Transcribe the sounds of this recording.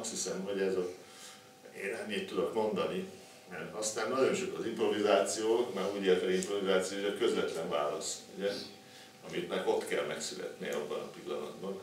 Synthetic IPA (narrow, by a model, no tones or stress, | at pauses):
ɒst̪hisɛmho̞ɟɛzo | eːnɛmːiːt̪ːud̪o̞kmo̞nd̪ɒni | mɛrɒst̪aːnnɒɟo̞nʃokɒzimpro̞vizaːt̪sijoːmaɾuːɟeːrt̪ɒimpro̞vizaːt̪sijoːeʃɒkø̞zvɛt̪lɛɱvaːlɒsuɟɛ | ɒmit̪mɛɡo̞t̪kɛlmɛksylɛ̰t̪nḭɒbːɒnɒpilːɒ̰nɒ̰d̪bɒn